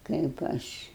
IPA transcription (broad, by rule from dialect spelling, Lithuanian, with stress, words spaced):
kɐɪp ˈɐʃ